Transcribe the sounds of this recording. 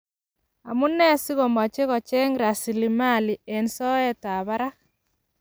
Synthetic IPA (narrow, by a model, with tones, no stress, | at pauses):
a˨mu˦nːɛ˦si˦ɣɔ˨ma˨t͡ʃe˦ɣɔ˨t͡ʃɛ˦ŋɾa˨si˨li˨ma˦˨li˨e˨nsɔ˦ɛ˦ta˨βa˦ɾa˦